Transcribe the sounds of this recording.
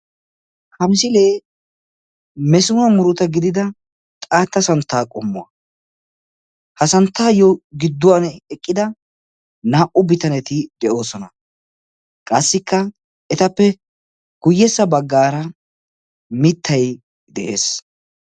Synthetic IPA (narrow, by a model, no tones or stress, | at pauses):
hɐmɪsɪle̞ː | mɛsʊnɐmʊɾʊt̪ɐɡɪd̪ɪd̪ɐ | t̪ʼaːt̪ːɐsɐnt̪ːaːkʼɔmːʊɐ̰ | hɐsɐnt̪ːaːjɔɡɪd̪ːʊwanɛkʼːɪd̪ɐ | naːʔʊbɪt̪ɐnɛt̪ɪd̪ɛʔo̞ːsɔnɐ | kʼɐsːɪkʰːɐ | ɛt̪ɐpːɛ | ɡ̥ʊjːɛsːɐbɐɡːaːɾɐ | mɪt̪ʰːɐj | d̪ɛʔe̞̰ːs